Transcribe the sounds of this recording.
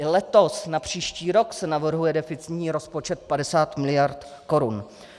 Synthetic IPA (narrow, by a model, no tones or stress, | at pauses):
lɛt̪o̞snapr̝̥iːʃciːɾo̞ksɛnavr̩ɦujɛdɛfɪt͡sɪɪt̪ɲiːɾo̞spo̞t͡ʃɛt̪̚padɛsaːt̪mɪlɪjaɾt̪ko̞ɾun